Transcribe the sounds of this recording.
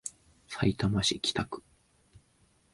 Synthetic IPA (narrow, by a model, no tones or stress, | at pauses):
sait̪amaɕikʲi̥t̪akɯ̟̥